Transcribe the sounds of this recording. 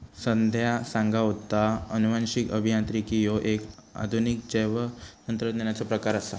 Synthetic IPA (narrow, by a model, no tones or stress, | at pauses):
sənd̪ʱjasãŋɡaɦot̪aənuʋanɕikəbʱijãnt̪ɾikijoʔeka̰d̪ʱunik̚d͡ʑəjʋənənt̪əɾət̪neɳjat͡sapɾəkaɾasa̰